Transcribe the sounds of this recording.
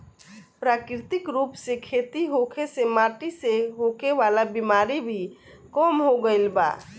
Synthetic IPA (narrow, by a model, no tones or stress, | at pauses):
pɾaːkɾɪt̪ɪkɾuːpsekʰeːt̪iɦokʰesemaːʈiseɦokʰeʋaːlabimaːɾibʱi | kɔːmɦoɡəɪlba̰ː